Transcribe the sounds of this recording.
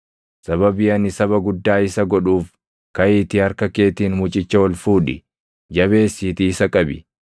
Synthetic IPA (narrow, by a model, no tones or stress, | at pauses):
sɐbɐbɪɐnɪsɐβɐɡʊd̪ːaːɪsɐɡɔᶑuːf | kɐʔɪːt̪ɪɐɾkɐke̞ːt̪iːnmʊt͡ʃʼɪt͡ʃːɐwɔlfuːᶑɪ̰ | d͡ʒɐβe̞ːsːiːt̪iɪsɐkʼɐbɪ̰